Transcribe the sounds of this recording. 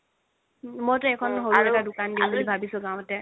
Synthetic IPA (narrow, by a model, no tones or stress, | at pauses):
mojtʊɛkʰɔnɦoɹaɛtadʊkandibulibʱabisʊ̃ɡãw̃ɛtɛ